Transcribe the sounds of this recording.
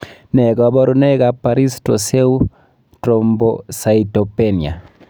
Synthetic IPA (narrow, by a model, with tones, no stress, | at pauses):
nɛ˨ɡa˨bɔ˦ɾu˦nɛ˦ɡa˨pa˨ɾi˦sto˨se˦u˦ | tɾombosa˨ito˨pe˦ni˨a˨